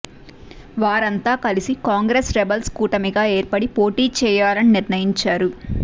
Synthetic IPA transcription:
ʋaːɾɐnt̪aːkɐlisikaːŋɡɾeːsɾɛbɐlskuːʈɐmiɡaːe̞ːɾpɐɽipo̞ːʈiːt͡ʃɛːjaːlɐniniɾnɐjiɲt͡ʃaːɾu

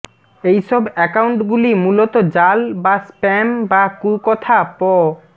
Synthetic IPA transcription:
ejʃɔbɛkawɳʈɡulimulot̪od͡ʑalbaspɛmbakukɔt̪ʰapɔ

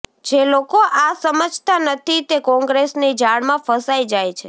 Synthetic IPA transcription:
d͡ʒelokoʔasəməd͡ʒʱt̪anət̪ʰit̪ekɔ̃ŋɡɾesnid͡ʒaɽmãfəsajd͡ʒajt͡ʃʰe

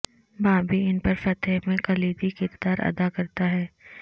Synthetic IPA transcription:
baːbʱiɪnpɐɾfɐt̪ʰemẽkɐliːd̪ikɪɾd̪aːɾɐ̰d̪akɐɾt̪aɦɛː

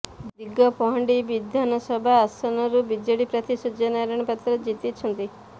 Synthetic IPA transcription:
dd̪iɡɔpɔɦɔɳɖibid̪ʱjanɔsɔbʱaːsɔnɔɾubid͡ʒɔɽipɾat̪isud͡ʒɔnaɾɔɽ̃ɔpat̪ɾɔd͡ʒit̪it͡ʃʰɔnt̪i

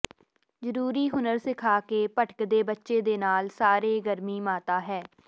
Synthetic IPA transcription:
zəɾuːɾiːɦʊnəɾsɪkʰaːkeːpəʈə̥kd̪eːbətːʃeːd̪eːnaːlsaːɾeːɡəɾmiːmaːt̪aːɦɛː

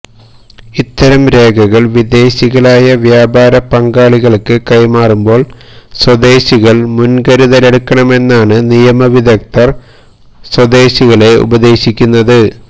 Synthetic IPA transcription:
it̪ːɐɾɐmɾe̞ːɡʰʱɐɣɐɭʋid̪e̞ːɕiɣɐɭaːjɐʋjaːbaːɾɐpɐŋɡaːɭiɣɐɭkːɨkɐjmaːrumbo̞ːɭswɐd̪e̞ːɕiɣɐɭmunɡɐɾuðɐle̞ɽukːɐɳɐme̞nːaːɳɨnijɐmɐʋiðɐk̚t̪ɐr | swɐd̪e̞ːɕiɣɐɭe̞ʔṵbɐðe̞ːɕikʲːunːɐðɨ

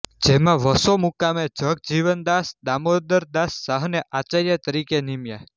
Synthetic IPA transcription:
d͡ʒemãʋəsomukamẽd͡ʒək̚d͡ʒiʋənd̪asd̪amod̪əɾd̪asːaɦneʔat͡ʃaɾjət̪əɾikenimja̰

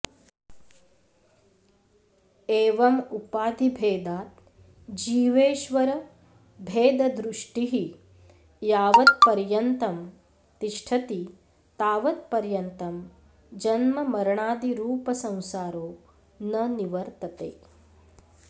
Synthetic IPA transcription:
eːʋɐmupaːd̪ʱibʱeːd̪aːt̪̚ | d͡ʒiːʋeːʃʋɐɾɐ | bʱeːd̪ɐd̪ɾuʂʈiɦi | jaːʋɐt̪̚pɐɾjɐnt̪ɐm | t̪iʂʈʰɐt̪i | t̪aːʋɐt̪̚pɐɾjɐnt̪ɐm | d͡ʒɐnmɐmɐɾɐɳaːd̪iɾuːpɐsɐ̃w̃saːɾoː | nɐniʋɐɾt̪ɐt̪eː

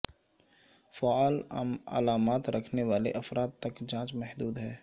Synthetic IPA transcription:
faaːl̰mɐ̰laːmaːt̪ɾɐkʰneʋaːleʔɐfɾaːt̪t̪ɐkd͡ʒãːt͡ʃmɛɦd̪uːd̪ɦɛː

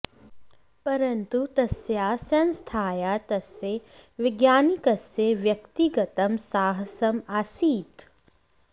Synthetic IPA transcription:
pɐɾɐnt̪ut̪ɐsjaːsɐnst̪ʰaːjaːt̪ɐsːeʋɪɡjaːnikɐsːeʋjɐkt̪iɡɐt̪ɐmsaːɦɐsɐmasiːt̪

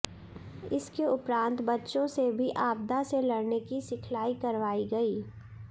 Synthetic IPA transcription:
ɪskeʊpɾãːnt̪bɐtːʃõsebʱiʔaːb̚d̪aselɐɽnekisɪkʰlaːikɐɾʋaːiɡɐiː

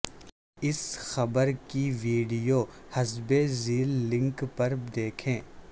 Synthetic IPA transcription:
ɪsxɐbəɾkiʋiːɖijoːhɐzbeziːlːɪ̃ŋkpɐɾd̪eːkʰẽː

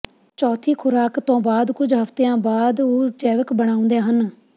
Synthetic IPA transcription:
t͡ʃɔːt̪ʰiːkʰʊɾaːkt̪õːbaːd̪kʊd͡ʒɦəft̪eːãːbaːd̪oːd͡ʒɛːʋəkbəɽ̃aːʊ̃nd̪eːɦən

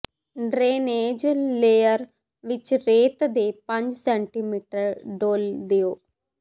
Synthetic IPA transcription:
ɖɾeːneːd͡ʒleːjɐɾ | ʋit͡ʃɾeːt̪ɐd̪eːpɐɲd͡ʒseɳʈimiːʈɐɾɖoːld̪ejoː

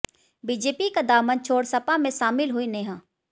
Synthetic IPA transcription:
biːd͡ʒeːpikad̪aːmənt͡ʃʰoːɽsɐpamẽʃaːmɪlɦʊinẽːɦãː

